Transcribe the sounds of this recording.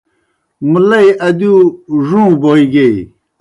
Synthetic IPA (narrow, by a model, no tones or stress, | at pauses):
mulɐiɐd̪uːʐũːboːiɡe